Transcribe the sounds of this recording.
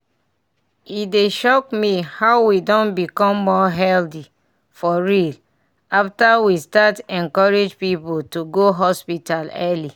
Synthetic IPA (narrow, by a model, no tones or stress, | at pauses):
ideʃɔkmihaʊwidɔ̃nbikɔ̃mːɔɦɛldi | fɔɹil | aftawistatɛ̃nkɔɹed͡ʒpipotuɡoɦɔspitalɛli